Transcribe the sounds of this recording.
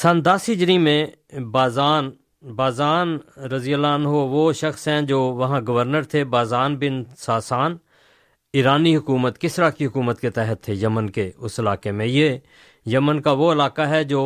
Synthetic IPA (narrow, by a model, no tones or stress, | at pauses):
sənd̪əsid͡ʒɾimẽ | baːzaːn | baːzaːnɾəzijəlaːnɦoʋoːʃəxsɦɛ̃d͡ʒoːʋɐɦãɡəʋəɾnəɾt̪ʰebaːzaːnbɪnsaːsaːn | iːɾaːniɦʊkuːmət̪kɪsɾaːkiɦʊkuːmət̪ket̪ɛɦət̪ʰːejəmənkeʊsɪlaːkemẽjeː | jəmənkaʋoɪlaːkaɦɛd͡ʒoː